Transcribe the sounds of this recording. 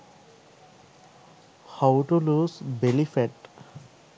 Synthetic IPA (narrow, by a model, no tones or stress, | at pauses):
hawʈuluzbelifeʈ